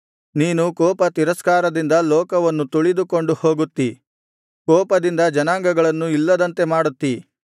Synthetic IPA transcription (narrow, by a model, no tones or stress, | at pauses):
niːnukɔːpɐt̪iɾɐskaːɾɐd̪ind̪ɐlɔːkɐʋɐnːut̪uɭid̪ukoɳɖuho̞ːɡut̪ːi | kɔːpɐd̪ind̪ɐd͡ʒɐnaːŋɡɐɡɐɭɐnːuilːɐd̪ɐnt̪e̞maːɽut̪ːi